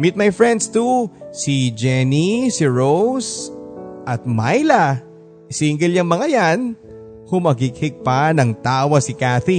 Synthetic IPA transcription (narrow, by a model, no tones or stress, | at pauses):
mɪt̪̚mɐjfɹɛnd̪st̪usid͡ʒɛnisɪɹows | ʔɐt̪̚majlɐ | siŋɡɛljɐŋmɐŋajan | hʊmɐɡɪk̚hɪk̚panɐŋt̪aːwɐsɪkaθi